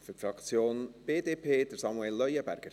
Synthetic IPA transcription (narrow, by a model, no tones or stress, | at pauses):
fʏɾtfɾɑkt͡sjoːnb̥eːd̪eːpʰeːd̥̪əɾsɑmuɛlːœjəbæ̰ɾɡ̥əɾ